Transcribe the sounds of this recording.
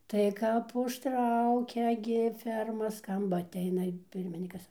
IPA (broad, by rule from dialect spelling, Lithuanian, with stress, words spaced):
tɐɪ kɐp ʊʃˈtrɐʊkʲɛ ɡʲɪ ˈfʲɛrmɐ ˈskɐmbɐ ɐtʲˈɛɪnɐ ɪ ˈpʲɪrʲmʲɪnʲiːkɐs